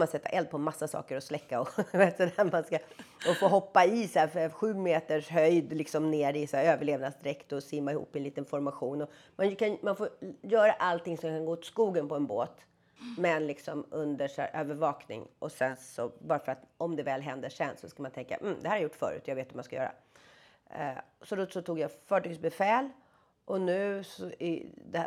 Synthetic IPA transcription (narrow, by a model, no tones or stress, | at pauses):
mansɛt̪ʰːa̰ʔɛld̪̚pʰɔɛmːasːasɑ̰ːkəɾɔslɛkːaɔd̪veːt̪sɔd̪æɾmanskaɔfoːɦɔpːaɪsæːɾfɧʉ̟ːmeːt̪əʂɦœjd̪lɪksɔmneːɾɪsæːɾøːvəɭeːvnasd̪ɪɾɛkt̪ɔsimaɪhṵːpːɛnliːt̪ənfɔɾmaɧuːnɔ | mankʰanmanfoɾjœːɾaʔalt̪ɪŋsɔmkʰanɡoːt̪skuːɡənpɔɛnbo̰ːt̪ | mɛnlɪksɔmɵnd̪əʂæ̰ːɾʔøːvəɾvɑːknɪ̰ŋʔɔsɛnsɔbɑːɾafœɾat̪ɔmd̪ɛvɛːlɦɛnd̪əʂɛnːsɔskamant̪ʰɛŋka̰m̩d̪ɛhæːɾhaɾjʊʈːfœ̰ːɾʉ̟ːt̪jaɡveːt̪vɔmanskajœ̰ːɾa̰ | sɔd̪ɔsɔt̪ʰuːɡjafœːʈyːɡsbɛfɛːl | ʔɔnʉ̟ːsɔɪ̰d̪ɛ